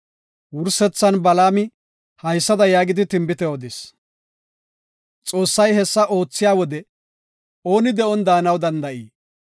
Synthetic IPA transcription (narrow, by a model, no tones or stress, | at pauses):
wʊɾsɛt͡sːɐnbɐlaːmɪ | hɐjsːɐd̪ɐjaːɡɪd̪ɪt̪ɪmbɪt̪ɛɔd̪ɪs | t͡sʼo̞ːsːɐjɦɛsːɐʔo̞ːt͡sːɪjaːwɔd̪ɛ | o̞ːnɪd̪ɛʔɔnd̪aːnɐwd̪ɐnd̪ɐʔiː